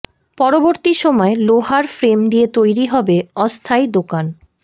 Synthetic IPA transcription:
pɔɾoboɾt̪iʃɔmɔeloɦaɾfɾemd̪iet̪ojɾiɦɔbeɔst̪ʰajd̪okan

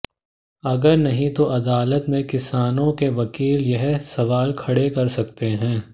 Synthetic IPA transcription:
ɐɡəɾnɐɦĩt̪oʔɐd̪aːlət̪mẽkɪsaːnõkeʋɐkiːljɐɦsɐʋaːlkʰɐɽekɐɾsɐkt̪eɦɛ̃ː

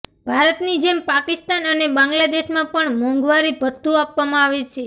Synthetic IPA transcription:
bʱaɾət̪nid͡ʒempakɪst̪anənebãŋɡlad̪eʃmãpəɳmɔ̃ŋɡʋaɾibʱət̪ːuapʋamãaʋet͡ʃʰe

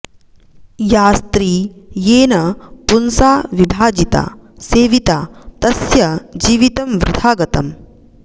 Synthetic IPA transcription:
jaːst̪ɾiːjeːnɐpunsaːʋibʱaːd͡ʒit̪a̰ːseːʋit̪aːt̪ɐsjɐd͡ʒiːʋit̪ɐmʋɾɪd̪ʰʱaːɡɐt̪ɐ̰m

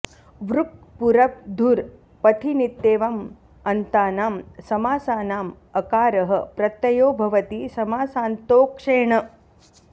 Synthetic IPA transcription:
ʋɾuk̚puɾɐp̚d̪ʱuɾ | pɐt̪ʰinit̪ːeːʋɐm | ɐnt̪aːnaːmsɐmaːsaːnaːm | ɐkaːɾɐɦɐ̆pɾɐt̪ːɐjoːbʱɐʋɐt̪isɐmaːsaːnt̪oːkʂeːɳɐ

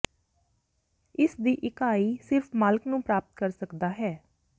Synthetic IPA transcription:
ɪsd̪iːʔɪkaːiːsɪɾfʰmaːlknũːpɾaːpət̪̚kəɾsəkd̪aːɦɛː

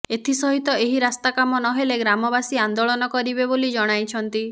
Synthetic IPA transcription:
et̪ʰisɔɦit̪ɔeɦiɾast̪akamɔnɔɦeleɡɾamɔbasiand̪oɭɔnɔkɔɾibebolid͡ʒɔɽ̃ajt͡ʃʰɔnt̪i

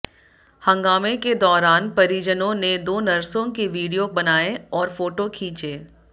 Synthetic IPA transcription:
hɐ̃ŋɡaːmeked̪ɔːɾaːnpɐɾid͡ʒənõned̪oːnɐɾsõkeʋiːɽijokbɐnaːeɔːɾfoːʈokʰĩːt͡ʃeː

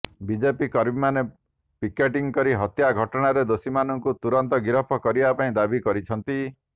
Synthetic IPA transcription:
bid͡ʒepikɔɾbimane | pikeʈiŋkɔɾiɦɔt̪jaɡʱɔʈɔɽ̃aɾed̪osimanɔŋkut̪uɾɔnt̪ɔɡiɾɔpʰɔkɔɾibapaĩd̪abikɔɾit͡ʃʰɔnt̪i

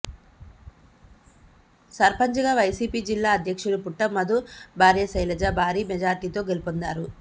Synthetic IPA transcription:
sɐɾpɐɲt͡ʃɐɡaːʋɐjsiːpiːd͡ʒilːaːɐd̪ʱjɐkʂuɽupuʈːɐmːɐd̪ubʱaːɾjɐsɐjlɐd͡ʒabʱaːɾiːmɛd͡ʒaːɾt̪iːt̪o̞ːɡelupond̪aːɾu

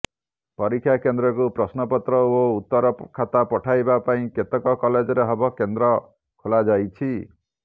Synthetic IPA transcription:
pɔɾikʰːjakend̪ɾɔkupɾɔsnɔpɔt̪ɾɔout̪ːɔɾɔkʰat̪apɔʈʰajbapaĩket̪ɔkɔkɔled͡ʒɔɾeɦɔbɔkend̪ɾɔ | kʰolad͡ʒajt͡ʃʰi

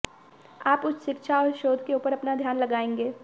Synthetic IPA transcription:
aːpʊsʰʃɪkʃʰaɔːɾʃoːd̪ʱkeuːpəɾɐpnad̪ʱjaːnlɐɡaːẽːŋɡeː

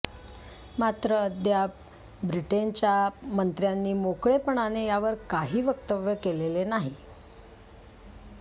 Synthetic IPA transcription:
mat̪ɾəd̪ja | bɾiʈent͡ɕjamənt̪ɾjanːiːmokɭepəɳanejaʋəɾkaɦiːʋəkt̪əʋjəkelelenaɦi

